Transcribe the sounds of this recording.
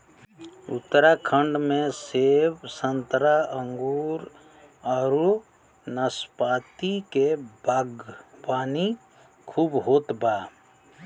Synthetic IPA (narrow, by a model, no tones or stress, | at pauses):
ʊ̰t̪ːəɾakʰə̃ɳɖmẽseːbsə̃nt̪ɾaə̃ŋɡuːɾ | aːɾu | nəspaːt̪ikebaɡpaːni | kʰuːbɦoːt̪baː